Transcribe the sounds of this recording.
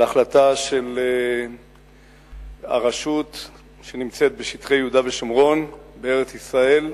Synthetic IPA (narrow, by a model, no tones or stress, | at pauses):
aχlat̪aʃe̞le | a̰ʁaʃut̪ | ʃe̞nimt͡se̞t̪̚beʃit̪χejeud̪aveʃomʁo̞nbeeʁet͡sisʁae̞l